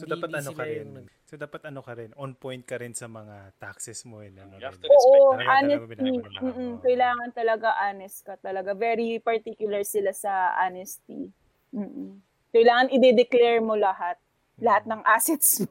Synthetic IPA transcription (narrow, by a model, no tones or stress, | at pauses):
sod̪aːpɐt̪ɐnokɐɛn | sod̪aːpɐt̪ɐnokɐɾɛnʔonpojnt̪̚kɐɾɪnsɐmɐŋat̪aksɛsmoɛnɐnoʔoːʔoʔaːnɛsim̩ːʔm̩kɐjlaːŋɐnt̪ɐlɐɡaʔaːnɛst̪̚kɐt̪ɐlɐɡavɛɾipɐɹt̪ikjʊlɐɹsɪlasɐʔa̰nɛst̪ḭ | m̩ːʔ̩ | kɐjlaːŋɐnɪd̪ɛd̪ɛklɛɹmo̞lɐhat̪̚ | lɐhat̪̚nɐŋʔasɛt̪sm